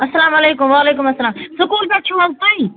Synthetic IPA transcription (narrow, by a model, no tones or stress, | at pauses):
ɐsɐlaːmɐleːkʊmʋaːleːkʊmɐsːɐlaːmsʊkuːlbat͡ʃʰuːɐlsaĩ